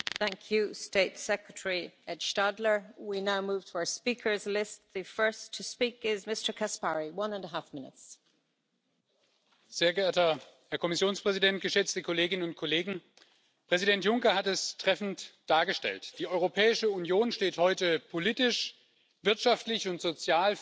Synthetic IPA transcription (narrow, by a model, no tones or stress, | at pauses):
θæ̃ŋkʰjusteɪtsɛkɹətʰəɹiɛd̥ʃtadlə˞winaʊmuːv̥tʰəaʊə˞spikʰə˞zlɪstðəfɜ˞stʰəspikɪzmɪstə˞kʰaspaɹiwʌ̃nə̃ndəɦafmɪ̃nɪ̰ts | z̥eːɐɡəeɐtɐhɛɐkʰɔmɪsjoːnspʁ̥ɛzidɛntɡ̥əʃɛt͡stəkʰoleːɡɪnənʊntkʰɔleːɡŋ̩ | pʁ̥ɛzidɛntjʊŋkɐhatɛstʁ̥ɛfn̩td̥aːɐɡəʃtɛ̰ltd̥iːʔɔʏʁopʰɛːɪʃəunjoːnʃteːthɔʏtəpʰoliːtɪʃ | v̥ɪɐtʃaftlɪçʊntz̥ot͡sjaːl